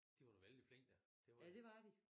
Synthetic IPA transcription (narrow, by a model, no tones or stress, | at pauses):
d̥iʋɑnoʋeld̥ifle̝ŋ̰d̥æ | d̥e̝ʋjæd̥e̝ʋɑ̈d̥i